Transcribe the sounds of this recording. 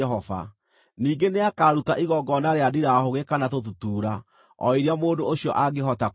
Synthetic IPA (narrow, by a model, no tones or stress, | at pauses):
ɛɦɔva̰ | niːɡeneakaːɾutaʔiɣɔɡɔnaɾeadiɾahoɣekanatotutuːɾa | ɔ̰iɾeamoːndooɕiɔʔaɡeɦɔta